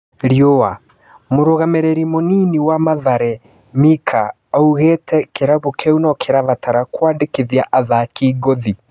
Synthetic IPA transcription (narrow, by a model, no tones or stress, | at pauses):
ɾjoa | moɾoɣamɛɾɛɾimoniniwamaðaɾɛ | mikʰa | auɣɛtʰɛkeɾaβokʰɛunɔkʰeɾaβataɾakwaːdekeðjaʔaðakiːɡoði